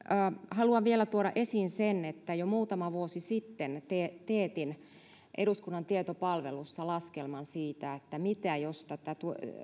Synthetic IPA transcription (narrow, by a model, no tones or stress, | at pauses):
hɑluɑʋʋielæt̪uoɾɑʔesiːnsenet̪ːæjomuːt̪ɑmɑʋuosisit̪ːent̪et̪eːt̪in | ʔeɾuskunːɑnt̪iet̪opɑlʋḛlusːɑlɑskelmɑnsiːt̪æet̪ːæmit̪æjost̪ɑt̪æt̪u